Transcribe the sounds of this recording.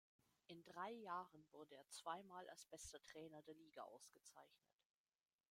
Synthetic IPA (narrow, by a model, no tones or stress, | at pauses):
ʔɪndʁaɪjaːʁənvʊɐdəeːɐt͡sv̥aɪmaːlʔa̰lsb̥ɛstɐtʁ̥ɛːnɐdeːɐliːɡaʔa̰ʊsɡ̥ət͡sa̰ɪçnə̰t